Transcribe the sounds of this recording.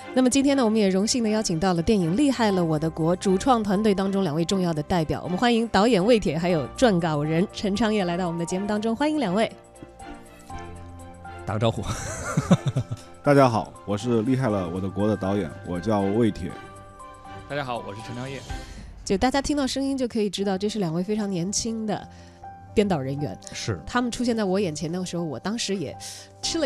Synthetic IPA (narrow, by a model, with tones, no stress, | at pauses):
na˥˩mə˩t͡ɕi˥nt̪ʰjɛ˥nə˨wɔ˨˩mə˦njɛ˨˩ɻʊ˧˥ŋɕi˥˩ŋd̪ə˩jɑ˥ʊt͡ɕʰi˨˩ŋt̪ɑ˥˩ʊlə˩t̪jɛ˥˩ni˨˩ŋli˥˧xa˥˩ɪlə˩wɔ˨˩d̪ə˦kwɔ˧˥ʈ͡ʂu˨˩ʈ͡ʂʰwɑ˥˩ŋt̪ʰwa˧˥nt̪we˥˩ɪt̪̬ɑ˥ŋʈ͡ʂʊ˥ŋljɑ˨˩ŋwe˧ɪʈ͡ʂʊ˥˧ŋjɑ˥˩ʊd̪ə˩t̪a˥˩ɪpjɑ˨˩˦wɔ̰˨˩mə˦nxwa˥ni˧˥ŋt̪ɑ˧˥ʊjɛ˨˩nwe˥˩ɪt̪ʰjɛ˨˥xa˧˥ɪjo˨˩ʊʈ͡ʂwa˥˩nkɑ˨˩ɻə˧˥nʈ͡ʂʰə˧˥ŋʈ͡ʂʰɑ˥ŋjɛ˥˩la˧˥ɪt̪ɑ˥˩wm˧nd̪ət͡ɕɛ˧˥mu˥˩t̪ɑ˥ŋʈ͡ʂʊ˥ŋxwa˥ni˧˥ŋljɑ˨˩ŋwe˥˩ɪ | t̪ɑ˨˩ʈ͡ʂɑ˥ʊxṵ˥˩ | t̪a˥˩t͡ɕja˥xɑ˨˩˦ʊwɔ˨˩ʂɻ̩˥˧li˥˧xa˥˩ɪlə˩wɔ˨˩d̪ə˦kwɔ˧˥d̪ə˧t̪ɑ˧˥ʊjɛ̰˨˩˦nwɔ˨˩t͡ɕjɑ˥˧ʊwe˥˩ɪt̪ʰjɛ̰˨˩˥ | t̪a˥˩t͡ɕja˥xɑ˨˩˦ʊwɔ̰˨˩ʂɻ̩˥˩ʈ͡ʂʰə˧˥ŋʈ͡ʂʰɑ˥ŋjɛ˥˩t͡ɕjt̪a˥˩t͡ɕja˥t̪ʰi˥ŋt̪ɑ˥˩ʊʂɤ˥ŋi˥nt͡ɕjo˥˩kʰɤ˧˥i˨˩ʈ͡ʂɻ̩˥t̪ɑ˥˧ʊʈ͡ʂɤ˥˧ʂɻ̩˥˩ljɑ˨˩ŋwe˥˩ɪfe˥ɪʈ͡ʂʰɑ˧˥ŋnjɛ˧˥nt͡ɕʰi˥ŋd̪ə̰˨ | t̪jɛ˥˧nt̪ɑ˨˩ʊɻə˧˥nɥɛ̰˧˥nʂɻ̩˥˩t̪ʰa˥mə˨nʈ͡ʂʰu˥ɕjɛ˥˧nt͡sa˥˩ɪwɔ˧˥jɛ˨˩nt͡ɕʰjɛ˧˥nd̪ə˥˩ʂɻ̩˧˥xo˥˧ʊwɔ˨˩t̪ɑ˥ŋʂɻ̩˧˥jɛ̰˨˩ | ʈ͡ʂʰɻ̩˥lə˨